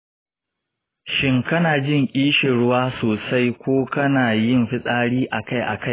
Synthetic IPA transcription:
ʃɪ˦ŋkɐ˦naː˨d͡ʒɪ˦˨ŋkʲʼiː˦ʃɪ˨ɽʊ˦waː˦soː˨sa˦jkʷoː˦kɐ˦naː˨jɪ˦mɸɪ˦sʼaː˦ɽiː˦ʔa˨ka˦jʔa̰˨ka˦j

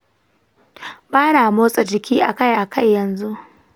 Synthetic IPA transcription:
baː˦naː˨moː˦sʼɐ˨d͡ʒɪ˨kʲiː˦ʔa˨ka˦jʔa˨kʰa˦˨jːɐ˨nzu˦ʔ

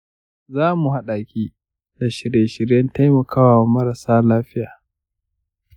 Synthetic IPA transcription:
zaː˦mu˨ɦa˦ɗaː˨kʲiː˦ | da˨ʃɪ˨ɾjeː˨ʃɪ˨ɾjɐ˦nta˦jmɐ˨kʰaː˦wa˨mɐ˦ɾa˨saː˦laː˦ɸɪ˦jaː˨

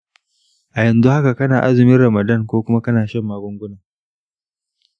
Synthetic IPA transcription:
ʔa˨jɛ˨nzu˦ha˦ka˨kɐ˦naː˨ʔa˦zɪ˨mɪ˦nɽɐ˨mɐ˨dɐ˦ŋkʷoː˦kʷʊ˦ma˦kɐ˦naː˨ʃɛ˦mːaː˦ɡʊ˦ŋɡʷʊ˦naː˨

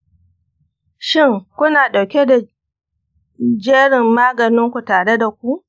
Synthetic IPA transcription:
ʃɪ˦˨ŋkʷʊ˦naː˨ɗa˨wkʲe˦da˨ | d͡ʒeː˦ɽɪ˨mːaː˦ɡɐ˨nɪ˦ŋkʷu˨taː˨ɽe˦da˨kʷu˦ʔ

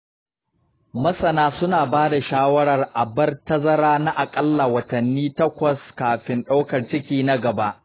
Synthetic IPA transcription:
mɐ˦sɐ˨naː˦sʊ˦naː˨baː˦da˨ʃaː˦wɐ˦ɽɐ˨rʔa˨bɐ˦rtɐ˦zɐ˦ɾaː˦na˦ʔa˨kʼɐ˦lːa˨wɐ˨tɐ˨nːiː˦tɐ˦kʷɐ˨skaː˨ɸɪ˦nɗa˦wkɐ˨rt͡ʃɪ˦kʲiː˦na˦ɡɐ˨ba˦ʔ

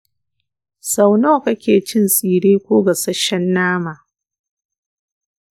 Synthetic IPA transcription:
sa˨wnoː˦˨kɐ˦kʲeː˨t͡ʃɪ˦nsʼiː˨ɽeː˦kʷoː˦ɡa˨sɐ˦ʃːɛ˦nːaː˦maː˨

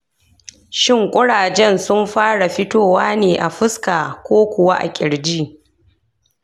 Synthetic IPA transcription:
ʃɪ˦ŋkʷʼʊ˦ɽaː˨d͡ʒɛ˦nsʊ˦mɸaː˦ɽa˨ɸɪ˦toː˦˨waː˦neː˨ʔa˨ɸɪ˦skaː˨kʷoː˦kʷʊ˨wa˦ʔa̰˨kʲʼɪ˨ɽd͡ʒiː˦

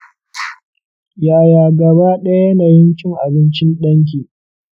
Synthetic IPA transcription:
jaː˨jaː˨ɡɐ˨baː˦ɗɐ˦ja˦naː˨jɪ˦nt͡ʃʲɪ˦ŋʔa˨bɪ˦nt͡ʃɪ˦nɗɐ˦ŋk̬ʲiː˨

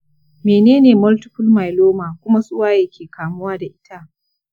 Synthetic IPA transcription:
meː˨neː˦neː˨mɔ˦ltʊ̥˦ɸʊ˦lma˨jloː˦maː˨kʷʊ˦ma˦sʼʊ˦waː˦jɐ˨kʲeː˨kaː˨mʊ˦waː˦da˨ʔɪ˦ta˦ʔ

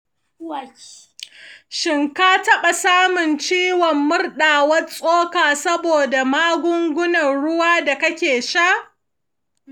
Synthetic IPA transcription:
ʃɪ˦˨ŋkaː˦tɐ˦ɓa˨saː˦mʊ˨nt͡ʃiː˦wɔ˨mːʊ˦rɗaː˨wɐ˦sʼoː˦kaː˨sɐ˦boː˨da˨maː˦ɡʷʊ˦ŋɡʷʊ˦nɐ˨nɽʊ˦waː˦da˨kɐ˦kʲeː˨ʃa˦ʔ

